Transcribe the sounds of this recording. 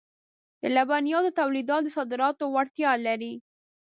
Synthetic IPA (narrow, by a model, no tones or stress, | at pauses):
d̪̥əlabanjɑd̪ət̪awlid̪ɑt̪̚d̪əsɑd̪ɪɾɑt̪owaɽt̪jɑlaɾi